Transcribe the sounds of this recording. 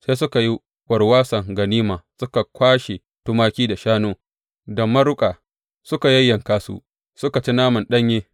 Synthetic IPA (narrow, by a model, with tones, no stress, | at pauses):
seː˦sʊ˦ka˨ji˦ | wʷɐ˨rwaː˦sɐ˨ŋɡɐ˨niː˦maː˨sʊ˦ka˨kʷaː˦ʃe˨ | tʊ˦maː˦kʲiː˦da˨ʃaː˦noː˦ | dɐ˨mːɐ˦ɾʊ˦kʼaː˨ | sʊ˦ka˨jɐ˦jːɐ˨ŋkaː˦sṵ˦ | sʊ˦ka˨t͡ʃi˦naː˦mɐ˨nɗɐ˦ɲjeː˦